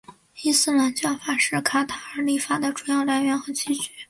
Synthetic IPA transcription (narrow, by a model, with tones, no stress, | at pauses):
i˥sɹ̩˥la˧˥nt͡ɕjɑ˥˩ʊfa˨˩ʂɻ̩˥˩kʰa˥t̪ʰa˧˥ə˧˥li˥˩fa˥˩d̪ə˩ʈ͡ʂu˧˥jɑ˥˧ʊla˧˥ɪɥɛ˧˥nxɤ˧˥t͡ɕʰi˧˥t͡ɕy˧˥˦